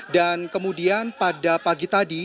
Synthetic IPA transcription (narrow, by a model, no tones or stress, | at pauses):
dankəmudianpadapaɡit̪adi